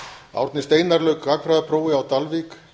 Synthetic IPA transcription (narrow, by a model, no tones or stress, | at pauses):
a̰wɾt̪nɪst̪eːjnaɾlœːɥkakfɾajðapʰɾoːwɪawt̪alvik